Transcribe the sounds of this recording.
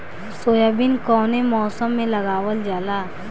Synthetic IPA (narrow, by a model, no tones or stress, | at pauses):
soːjaːbinkɔːnemɔːsəmːẽlɐɡaːwəld͡ʒaːlaː